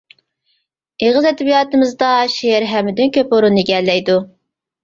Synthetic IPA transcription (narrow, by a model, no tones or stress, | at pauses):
eʁəzɛd̪ɛbijɑːt̪ɨmɨzd̪ɑʃeɛɾɦɛmːɪd̪ynkʲøpoɾunːɨɡʲɛlːɛjd̪u